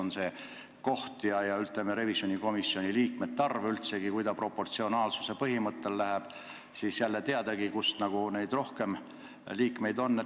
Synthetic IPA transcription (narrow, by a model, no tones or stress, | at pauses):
onse̞ | ko̞ht̪jɑjɑylt̪ˑːemeɾe̞visjonʲiko̞misːjo̞nʲiliːk̚met̪̚t̪ːɑrveylt̪se̞ɡ̥ikujd̪ɑpro̞pːo̞rt̪sio̞nɑːlsu̥se̞pɤɦimɤt̪ːe̞lːæɦæb̥ | siːsjælːet̪e̞ɑd̪̥ɑɡikust̪nɑɡ̥une̞jd̪ro̞hke̞m | liːkˑme̞jd̪o̞nː